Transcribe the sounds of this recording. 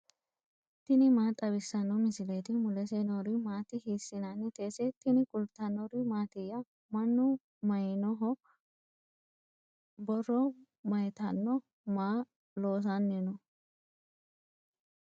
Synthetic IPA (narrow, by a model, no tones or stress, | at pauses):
t̪ɪnɪmaːt̪ʼɐbɪsːɐnːɔmɪsɪlet̪ɪmʊlɛsenɔɾɪmaːt̪ɪhiːsːɪnanːɪt̪eːsɛt̪ɪnɪkʼʊlt̪ɐnɔɾɪmaːt̪ɪjːɐ | mɐnːʊ | mɐjnɔɦɔ | bɔrːɔ | mɐjt̪ɐnːɔ | maː | lo̞ːs̬anːɪnɔ